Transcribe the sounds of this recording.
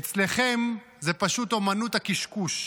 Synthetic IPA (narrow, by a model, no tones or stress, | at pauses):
et͡sle̞χe̞m | zepaʃut̪o̞manut̪hakiʃkuʃ